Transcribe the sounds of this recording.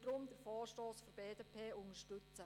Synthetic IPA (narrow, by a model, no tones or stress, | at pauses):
d̥ɾʊmdəɾfɔːʃtoːsfɔɾbeːdepʰeːʊnəʃtʏt͡sə